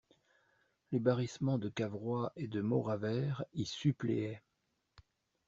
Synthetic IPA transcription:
lebaʁismɑ̃d̪əkavʁwaʔed̪əmɔʁavɛʁisyplḛɛ

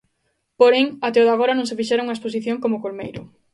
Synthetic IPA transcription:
poɾeŋat̪eoðaɣ̞oɾanõŋsefiʃeɾoŋuŋɐespos̬iθjoŋkomokolmejɾʊ

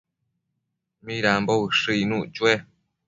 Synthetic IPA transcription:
mĩɾamboɨʂɨinũt͡ʃue

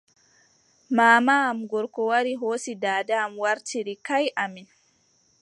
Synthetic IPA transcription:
maːmaːmɡʊɾkɔwaɾiɦoːsidaːdamwɐɾtiɾikajʔamin

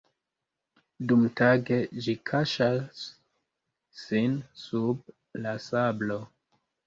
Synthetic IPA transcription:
dumtaɡe̞d͡ʒikʰaʃas | insub̚ | lasablo̞

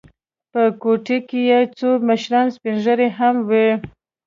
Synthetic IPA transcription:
pəkoʈekejet͡soməʃɾɑnspinʒəɾeɦamwe

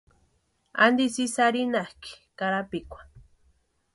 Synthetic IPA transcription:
a̰nd̪isisaɾinahki̥kaɾapikʷḁ

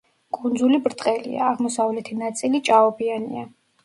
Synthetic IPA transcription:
kʼund̪zulibɾt̪ʼqʼɛlḭa̰ːʁmɔsavlɛt̪ʰinat̪sʼilit͡ʃʼaɔbianḭa

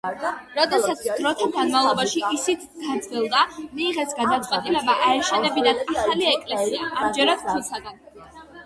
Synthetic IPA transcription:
ɾɔd̪ɛtsat̪sʰd̪ɾɔt̪ʰaɡanmavlˠɔbaʃiisit̪ʰɡad̪zɡilˠd̪amiːʁɛsɡad̪at̪sʼwɛt̪ʼilɛbaʔaɛʃɛnɛbinad̪aχaliɛkʼlɛsiaamd͡ʒɛɾad̪̥̚ʰusʰaɡ̪an

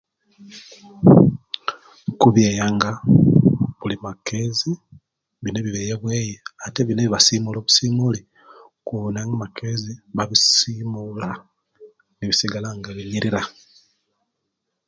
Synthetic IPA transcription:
kuβjeːjaŋɡa | βulimakezi | βine̞βiβeːjeβweːjeateβineβiβasiːmulo̞ːβusiːmuli | kuβnaŋɡamakʰeziβaβisiːmula | niβisiɡalaŋɡaβiɲiɾiɾa

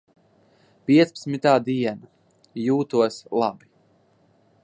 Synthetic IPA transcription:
piɛt̪spḁt̪smʲit̪aːd̪iɛna | juːt̪uɔslˠabi

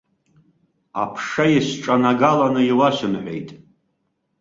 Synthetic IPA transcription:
a̰pʰʂajiɕʈ͡ʂʼanaɡalanɨiwaʃɨnħʷḛjtʼ

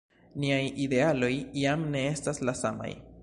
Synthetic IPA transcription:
niajid̪e̞alo̞jiamne̞estaslasama̰j

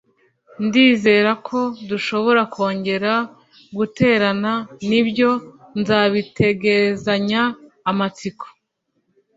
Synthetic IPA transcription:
ndiːze̞ːɾakʰo̞duʃo̞βo̞ɾakʰo̞ːɲɟe̞ɾa | ɡute̞ːɾananibjo̞nzaːβitʰe̞ɡe̞zaɲaː | mat͡siko̥

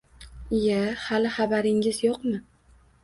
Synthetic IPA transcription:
jahalɪχabaɾɪŋɪzjɒqmɪ

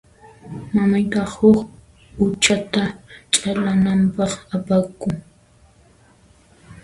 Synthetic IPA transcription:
mamajt̪ɑχhʊk | ʊt͡ʃat̪at͡ʃʼalanampɑχapakʊŋ

